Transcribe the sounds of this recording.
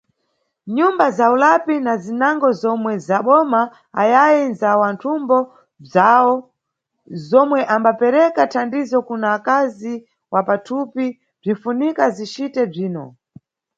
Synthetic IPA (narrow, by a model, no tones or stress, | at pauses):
ɲumbazaulapinazinaŋɡɔzɔmwɛzaɓɔma | a̰jajɛnzawantʰumbɔ | b͡ʐaɔ | zɔmwɛʔambapɛɾɛkatʰandizɔkunaːkazi | wapatʰupi | b͡ʐiɱfunikazit͡ʃitɛb͡ʐiːnɔ̰